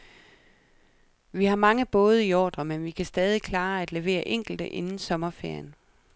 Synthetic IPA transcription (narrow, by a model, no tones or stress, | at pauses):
ʋihɑ̈mɑ̈ŋəb̥ɔ̽ːð̞ˠəiɒːd̥ɐmenʋikʰæsd̥ɛːð̞ˠikʰlɑ̈ːæd̥le̝ʋe̝̰ːɐʔeŋ̰ɡ̥l̩d̥əʔe̝nn̩sɒ̽mɐfeɐ̰jən